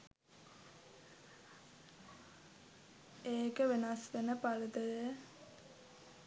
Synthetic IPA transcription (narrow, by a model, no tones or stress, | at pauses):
eːkəʋenasʋenəpalət̪ədə